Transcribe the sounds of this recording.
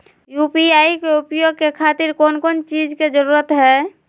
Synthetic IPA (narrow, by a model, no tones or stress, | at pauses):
jupiaikeupjoɡ̚kekʰat̪iɾkoːnkont͡ʃid͡ʒked͡ʒəɾuɾət̪ɦɛ